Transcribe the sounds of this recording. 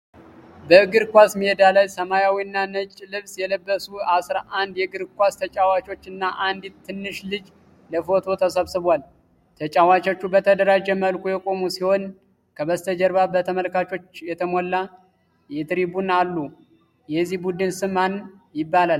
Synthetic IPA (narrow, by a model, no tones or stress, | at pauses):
bəɡɨɾkʷasmied̪alajsəmajawiɨnːanət͡ʃʼːlɨβsjɛləbːəsuasɾaʔand̪jɛɡɨɾkʷast̪ʰət͡ʃʼawat͡ʃo̞t͡ʃːɨnːaʔand̪it̪t̪ʰːɨnːɨʃlɨd͡ʒ | ləfo̞t̪ʰo̞t̪ʰəsəβsɨβwal | t̪ʰət͡ʃʼawat͡ʃo̞t͡ʃːubət̪ʰəd̪əɾad͡ʒɛməlkʼujɛkʼo̞musiho̞n | kʰəβəst̪ʰəd͡ʒəɾβabət̪ʰəməlkat͡ʃo̞t͡ʃːjɛt̪ʰəmolːa | jɛt̪ɨɾibunalːu | jɛzːihbud̪ɨnsɨman | jɪbːalal